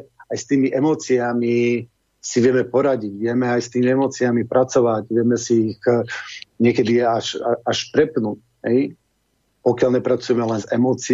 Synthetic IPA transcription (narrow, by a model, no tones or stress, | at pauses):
ajst̪iːmiʔɛmɔːt͡siami | siʋɪɛmɛpɔɾaɟiɟʋɪɛmɛajst̪iːmiɛmɔːt͡siamipɾat͡sɔʋaɟʋɪɛmɛsiːɣ | ɲɪɛkɛd̪iɛaʃaaʃpɾɛpnuc | ɦɛj | pɔkjalɲɛpɾat͡sujɛmɛlɛnzɛmɔːt͡si